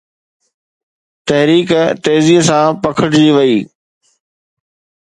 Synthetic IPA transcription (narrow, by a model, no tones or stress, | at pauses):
t̪ɐɦɾiːkt̪eːziːsãːpɐkʰəʈd͡ʑiʋɐiː